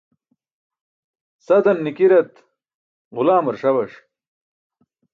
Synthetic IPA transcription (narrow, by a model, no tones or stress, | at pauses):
sɐd̪ɐnːikiɾɐt̪ | ʁʊlaːmɐɾʂɐwɐʂ